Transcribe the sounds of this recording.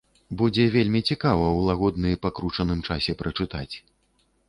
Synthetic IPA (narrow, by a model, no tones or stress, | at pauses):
bud͡zʲɛvʲelʲmʲit͡sʲikavɐwlˠaɣɔd̪nɨpakɾut͡ʂɐnɨmt͡ʂasʲɛpɾʔɐt͡ʂɨt̪a̰t͡sʲ